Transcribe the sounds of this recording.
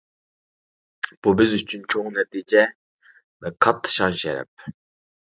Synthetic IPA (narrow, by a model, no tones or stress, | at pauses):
b̥ubɪzyt͡ʃʰynt͡ʃʰoŋnɛt̪ʰiːd͡ʒɛ | vɛkʰɑt̪ʰːɨ̥ʃɑnʃɛ̰ɾɛ̰p̚